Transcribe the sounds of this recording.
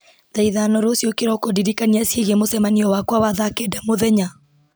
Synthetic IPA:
ðɛiðanɔɾosjokeɾɔkodiɾikaniasjeɣemosɛmaniɔwakwawaðakeːdɛmoðɛɲa

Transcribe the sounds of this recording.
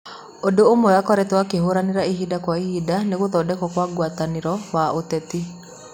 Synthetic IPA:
odoomɔjakɔɾɛtwakeɦoɾaneɾaiɦidakwaihidaneɣoðɔːdɛkɔkwaɡwataneɾɔwaotɛti

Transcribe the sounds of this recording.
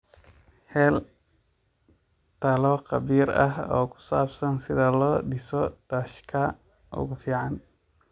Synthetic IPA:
hɛːl | t̪ʰɐlɔqɑβiːɾɐ̰ɦɔ̰ːkʰʊ̥saːbsɐnsɪðɐlɔːɖɪsɔd̪̥ɐʃkʰɐ | ʔʊ̰ɣʊfiːʕɑn

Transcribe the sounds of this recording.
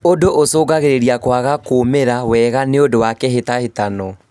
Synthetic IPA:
odoʔosoːɡaɣeɾeɾiakwaɣakoːmeɾawɛːɣaneodowakɛɦetahetanɔ

